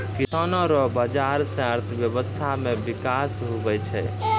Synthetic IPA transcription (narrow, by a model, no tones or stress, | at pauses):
kisanɔɾɔbəd͡ʒaɾsə̃əɾt̪ʰəbjəbəst̪ʰamebikasɦobɛt͡ʃʰɛ